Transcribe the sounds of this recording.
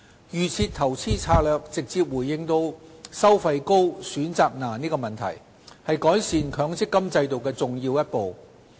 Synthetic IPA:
jyː˨˩t͡sʰiː˧t̪ʰɐ˨˩wt͡sʰiː˥t͡sʰaː˧lœː˨˧k̚t͡sɪ˨k̚t͡siː˧p̚wuː˨˩jːɪ˧ŋt̪o˧wsɐ˥wfɐ˧jko˥wsyː˨˥nt͡saː˨k̚naː˨˩niː˥kɔː˧mɐ˨˩nt̪ʰɐ̰˨˩j | hɐ˨jkɔː˨˥jsiː˨nkʰœː˨˧˥ŋt͡sɪ˥kːɐ˥mt͡sɐ˧jt̪o˨˩wkɛː˧t͡sʊ˨ŋjiː˧wjɐ˥t̚po˨w

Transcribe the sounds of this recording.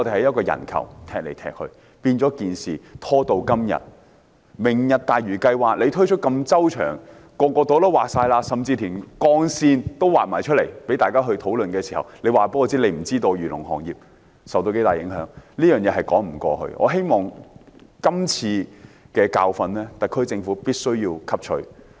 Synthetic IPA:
ŋɔ˨˧t̪e˨˩hɐ˨˥jɐ˥t̚kɔː˧jɐ̰˨˩nkʰɐ̰˨˩wt̪ʰɛː˨k̚lḛ˨˩jt̪ʰɛ̰ː˨k̚hɵ̰˧ɥ | piː˧nt͡sɔː˨˥kiː˨nsiː˨t̪ʰɔː˥t̪o˧wkɐ˥mjɐ̰˨t̚ | mɪ˨˩ŋjɐ˨t̚t̪aː˨jɥyː˨˩kɐ˧jwaː˨k̚le˨˧jt̪ʰɵ˥ɥt͡ʃʰɵ˥t̚kɐ˧mt͡sɐ˥wt͡ʃʰœ̰ː˨˩ŋ | kɔː˧kɔː˧t̪o˨˧˥t̪o˥waː˨k̚saː˧jlaː˧sɐ˨mt͡siː˧t̪ʰiː˨˩nkɔː˧ŋsiː˧nt̪o˥waː˨t̚maː˨˩t͡ʃʰɵ˥t̚le˨˩jpe˨˥jt̪aː˨jkaː˥ɦɵ˧ɥt̪ʰo˨˥wlɵ˨nkɛː˧si˨˩hɐ̰˨wle˨˧jwaː˨˩pɐ˧˥kɔ˧t͡siː˨˥le˨˧jm̩˨˩t͡siː˥t̪o˧wjyː˨˩lʊ̰˨˩ŋɦɔ̰ː˨˩ŋjiː˨p̚ | sɐ˨wt̪o˧ke˨˥jt̪aː˨˩jɪ̰˨˥ŋɦœː˨˥ŋliː˥jœː˨ŋjɛː˨˧ɦɐ˨jkɔː˨˥ŋm̩˨˩kʷɔ̰ː˧ɦɵ̰˧ɥʔɔ̰ː˨˧ɦe˥jmɔː˨˩ŋ | kɐ˥mt͡sʰiː˧kɛː˧kaː˧wfɐ˧nlɛː˥t̪ɐ˨˩kʰːɵ˥ɥt͡sɪ˧ŋfuː˨˥piː˥t̚sɵ˥ɥjiː˧wkʰɐ˥p̚t͡ʃʰɵ̰˧ɥ

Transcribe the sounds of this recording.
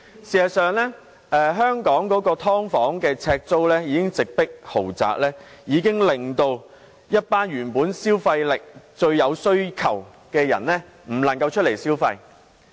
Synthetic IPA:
siː˨˩ɐ˨sœː˨ŋlɛː˥ | ʔɛː˨ɦœː˥ŋkɔː˨˥ŋkɔː˨˥kɔː˧t̪ʰɔː˥ŋfɔː˨˥ŋkɛː˧t͡sʰɛː˧k̚t͡so˥wlɛː˥jiː˨˥kɪ˥ŋt͡sɪ˨k̚pɪ˥k̚ho˨˩wt͡sa̰ː˨k̚lɛː˥jiː˨˧kɪ˥ŋlɪ˨ŋt̪o˧w | jɐ˥t̚paː˥njyː˨˩npuː˨˥nsiː˥wfɐ˧jlɪ˨k̚t͡ʃɵ˧ɥjɐ˨˧wsɵ˥ɥkʰɐ̰˨˩w | kɛː˧jɐ̰˨˩nlɛ˥ | m̩˨˩lɐ˨˩ŋkɐ˧wt͡ʃʰt̚le˨˩jsiː˥wfɐ˧j

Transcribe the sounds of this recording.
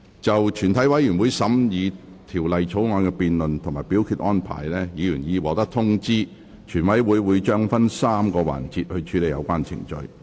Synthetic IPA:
t͡sɐ˨wt͡ʃʰyː˨˩nt̪ʰɐ˨˥jwɐ˨˥jjyː˨˩nwuː˨˧jsɐ˨˥mjiː˨˧ | t̪ʰiː˨˩wlɐ˨jt͡sʰo˨˥wŋɔː˨˧nkɛ˧piː˧nlɵ˨nt̪ʰʊ˨˩maː˨jpiː˨˥wkʰyː˧t̚ʔɔː˥npʰa̰ː˨˩jlɛː˥jiː˨˧jyː˨˩njiː˨˧wɔː˨˩t̪ɐ˥k̚t̪ʰʊ˥ŋt͡siː˥ | t͡ʃʰyː˨˩nwɐ˨˥jwuː˨˧jwuː˨˧jt͡ʃœː˥ŋfɐ˥nsaː˥mkɔː˧wa̰ː˨˩nt͡si˧t̚hɵ˧t͡ʃʰyː˨˥le˨jɐ̰˧wkʷaː˥nt͡sʰɪ̰˨˩ŋt͡ʃɵ̰˨˧ɥ

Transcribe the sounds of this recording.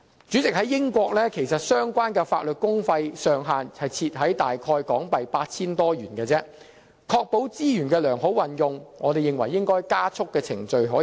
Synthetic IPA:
t͡syː˨˥t͡sɪ˨k̚hɐ˨˥jɪ˥ŋkʷɔː˧k̚lɛː˥kʰe˨˩jsɐ˨t̚sœː˥ŋkʷwaː˥nkɛː˧fa̰ː˧t̚lɵ˨t̚kʊ˥ŋfɐ˧jsœː˨ŋɦaː˨nhɐ˨jt͡sʰiː˧t̚ɦɐ˨˥jt̪aː˨jkʰɔː˧jkɔː˨˥ŋpɐ˨jpaː˧t̚t͡sʰiː˥nt̪ɔː˥jyː˨˩nkɛː˧t͡sɛː˥ | kʰɔː˧k̚po˨˥wt͡siː˥jyː˨˩nkɛː˧lœː˨˩ŋɦo˨˥wɐ˨njʊ˨ŋŋʔɔː˨˧d̪e˨jɪ˨ŋwɐ˨˩jːɪ˥ŋkɔː˥jkaː˥t͡sʰʊ˥kːɛː˧t͡sʰɪ˨˩ŋt͡ʃɵ˨˧ɥɦɔː˨˥

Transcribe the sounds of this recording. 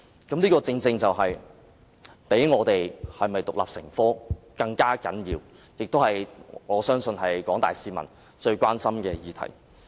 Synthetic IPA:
kɐ˨˥mniː˥kɔː˧t͡sɪ˧ŋt͡sɪ˧ŋt͡sɐ˨wɦɐ˨j | pe˨˥jŋɔː˨˧t̪e˨jhɐ˨jmɐ˨jt̪ʊ˨k̚la̰ː˨p̚sɪ̰˨˩ŋfɔː˥ | kɐ˧ŋkaː˥kɐ̰˨˥njiː˧w | jɪ˨k̚t̪o˥whɐ˨jŋɔː˨˧sœː˥ŋsɵ˧nɦɐ˨jkɔː˨˥ŋt̪a̰ː˨jsiː˨˧mɐ̰˨˩n | t͡ʃɵ˧ɥkʷwaː˥nsɐ˥mkɛː˧jiː˨˧t̪ʰɐ̰˨˩j

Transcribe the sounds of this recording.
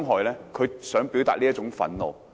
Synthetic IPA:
ŋɦɔː˨jlɛː˥kʰɵ˨˧ɥsœː˨˥ŋpi˨˥wt̪aː˨t̚liː˥t͡ʃʊ˨˥ŋfɐ̰˨˥nlo̰˨˧w

